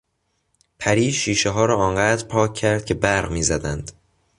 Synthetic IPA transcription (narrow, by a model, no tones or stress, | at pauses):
pʰæɾiːd͡ʒʃiːʃeɦɒːɾɒːɒːŋɢæːd̪ɾpʰɒːcʰːæɾd̪̥̚cʰe̞bæɾɣmiːzæd̪ænd̪̥